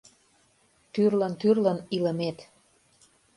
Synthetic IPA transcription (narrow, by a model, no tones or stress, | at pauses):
t̪yrlənt̪yrləniləmet̪